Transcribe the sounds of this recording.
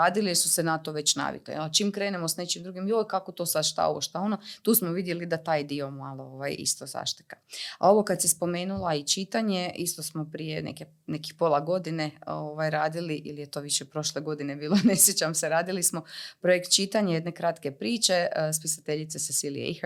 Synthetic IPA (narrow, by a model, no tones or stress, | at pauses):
aːd̪ilijeɾsu̥senat̪o̞ʋe̞t͡ɕna̰ʋḭklḭalt͡ʃiːmkɾe̞ːnemosne̞t͡ʃimd̪ɾuɡimjojkakot̪osad̪ʃt̪a̰oʋoʃt̪ao̞not̪uːsmoʋid̪jelid̪at̪aːjd̪io̞malˠooʋajḭst̪oza̰ʃt̪i̥kḁa̰o̞ʋokat̪sispo̞me̞ːnulˠait͡ʃit̪aɲeist̪o̞smopɾijenḛke | neki̥xpo̞lˠaɡo̞d̪ineoʋajɾaːd̪iliʔḭlijet̪o̞ːʋiʃepɾo̞ʃleɡo̞d̪inebiːlˠone̞sjet͡ɕamseɾaːd̪ilismo̞pɾojekt̪̚t͡ʃit̪aɲajed̪ne̞kɾat̪kepɾiːt͡ʃespisat̪eʎit̪sesesilḭjḛix